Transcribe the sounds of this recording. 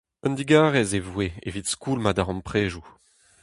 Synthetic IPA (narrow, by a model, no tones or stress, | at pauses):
œnd̪iɡaːʁɛzevweḛvitskuːlmad̪aʁɑ̃mpχeːʒu